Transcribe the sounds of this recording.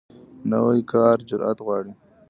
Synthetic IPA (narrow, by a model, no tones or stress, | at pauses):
nawajkʰɑːɾd͡ʒʊɾʔa̰t̪ɣwɑːɽi